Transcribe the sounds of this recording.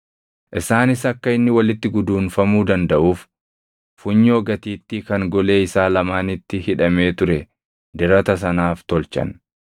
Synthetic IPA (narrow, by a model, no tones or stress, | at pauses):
ʔɪsaːnɪsɐkːɐɪnːɪwɐlɪt̪ːɪɡʊd̪uːnfɐmuːd̪ɐnd̪ɐʔuːf | fʊɲːoːɡɐt̪iːt̪ːikɐŋɡɔle̞ːɪsaːlɐmaːnɪt̪ːɪhɪᶑɐme̞ːt̪ʊɾɛ | d̪ɪɾɐt̪ɐs̬ɐnaːft̪ɔlt͡ʃɐ̰n